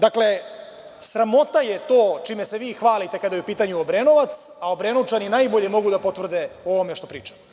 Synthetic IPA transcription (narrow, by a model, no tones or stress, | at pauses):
d̪akle̞ | sɾamo̞t̪aje̞t̪o̞ːt͡ʃiːmeseʋiːxʋaːlit̪e̞kad̪ajupiːt̪aɲuobɾeːnoʋat̪sao̞bɾeːnut͡ʃaninajbo̞ʎemo̞ɡud̪apo̞t̪vr̩d̪eo̞ʋo̞meʃt̪o̞pɾiːt͡ʃḁ